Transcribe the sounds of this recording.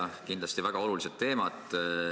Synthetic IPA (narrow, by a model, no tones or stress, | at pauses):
kind̪lɑst̪ivæɡ̥ɑo̞luliset̪ːe̞ːmɑt̪